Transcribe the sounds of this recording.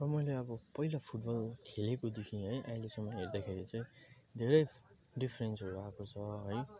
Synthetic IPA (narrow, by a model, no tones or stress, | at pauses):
rʌmʌjleʌbʌpʌilapʰuʈ̚bʌlkʰelekod̪ekʰiniɦʌjʔaĩlesʌmːʌɦerd̪akʰeɾit͡sʌ̃j̃ | d̪ʱeɾʌj | ɖipʰrensɦʌɾuakot͡sʰʌɦʌj